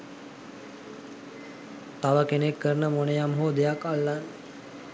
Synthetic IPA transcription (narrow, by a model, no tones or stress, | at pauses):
t̪aʋəkenekːəɾnəmonejamɦoːd̪ejakalːan